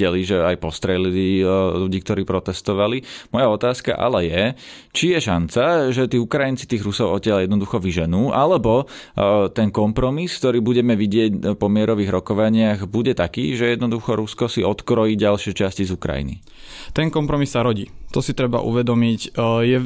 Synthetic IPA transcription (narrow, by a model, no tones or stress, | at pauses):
ɛliʒɛajpɔst̪ɾɛlililuɟiːk̚t̪ɔɾiːpɾɔt̪ɛst̪ɔʋalimɔjaɔt̪aːska̰ʔa̰lɛjɛ | t͡ʃijɛʃant͡saʒɛt̪iːukɾajint͡si̥t̪iːɣɾusɔʊɔcɪaljɛd̪nɔd̪uxɔʋiʒɛnuːʔalɛbɔ | t̪ɛnkɔmpɾɔmiskt̪ɔɾiːbuɟɛmɛʋiɟɪɛcpɔmɪɛɾɔʋiːɣɾɔkɔʋaɲɪaɣbuɟɛt̪akḭːʒɛjɛd̪nɔd̪uxɔɾuskɔsiɔt̪kɾɔjiːɟalʃɪɛt͡ʃascizukɾa̰jḭnḭ | t̪ɛŋkɔmpɾɔmisːaɾɔɟiːt̪ɔsit̪ɾɛba̰ʔṵʋɛd̪ɔmicjɛ